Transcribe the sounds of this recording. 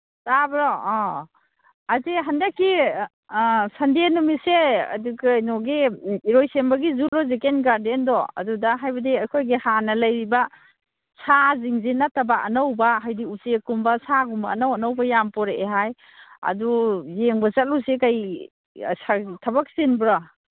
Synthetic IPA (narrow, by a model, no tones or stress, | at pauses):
tabɾɔ | ateɦandakːi | sandenumisea̰duɡanɔɡiiɾojsembaɡizulɔzekenɡaɾdendɔɐ̰dudaɦajbɐdiakʰojɡihanɐlajɾiba | sʰaziŋzinatabaʔɐnawbaɦajdiusekumbasaɡumbaːnawanawbajampɔɾeʔeɦaj | ɐ̰dujeŋbasat̚lusekaj | satʰabak̚sinbɾa